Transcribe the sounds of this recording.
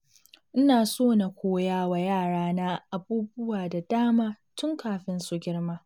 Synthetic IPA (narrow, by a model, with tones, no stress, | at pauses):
ʔɪ˦naː˨soː˦˨na˨kʷoː˦jaː˦wa˨jaː˦˨ɽaː˦na˦ʔa˨buː˦bʊ˦waː˨da˨daː˦maː˦ | tʊ˦ŋkaː˨ɸɪ˦nsu˨ɡʲɪ˦ɽma˦